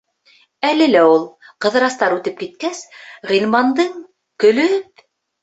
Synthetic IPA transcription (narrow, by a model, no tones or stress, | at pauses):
ælɘlæulˠ | qɤ̆ðɤ̆ɾɑst̪ɑɾʉt̪ɘp̚kit̪̚kæsʁilmɑnd̪ɤɴ | kɵ̆lɵp̚